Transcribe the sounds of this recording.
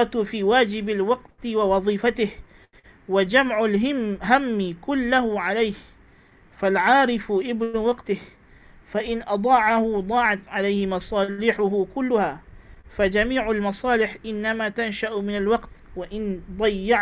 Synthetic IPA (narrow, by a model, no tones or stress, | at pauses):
fiːwaːd͡ʒɪbalwɑqt̪ɪwɪwɑðˤiːfat̪ɪh | wad͡ʒamʕʊlɦamːɪkʊlːahʊʕalajh | falʕaːɾɪfʔɪbnʊwɑqt̪ɪh | faʔɪnʔɑd̪ˤɑːʕahʊd̪ˤɑːʕat̪ʕalajhɪmɑsˤɑːlɪːħʊɦʊkʊlːʊhaːfad͡ʒamiːʕalmɑsˤɑːlɪħʔɪnːamaːt̪anʃaʔmɪnalwɑqt̪waʔɪnd̪ˤɑjːɑʕ